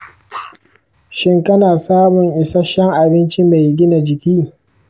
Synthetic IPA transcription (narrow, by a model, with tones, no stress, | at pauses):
ʃɪ˦ŋkɐ˦naː˨saː˦mʊ˨ŋʔɪ˨sa˦ʃɛ˦ŋʔa˨bɪ˦nt͡ʃi˦ma˨jɡʲɪ˦na˨d͡ʒɪ˨kʲiː˦